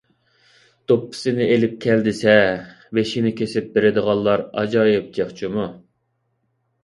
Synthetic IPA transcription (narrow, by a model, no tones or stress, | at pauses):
t̪opʰːɪ̥sɪnɪelɪp̚kʲʰɛld̪ɪsɛ | vɛʃinɪkʲesɪp̚beɾɪd̪əʁɑlˠːɑɾɑ̰d͡ʒɑjɪp̚d͡ʒeχt͡ʃʰimu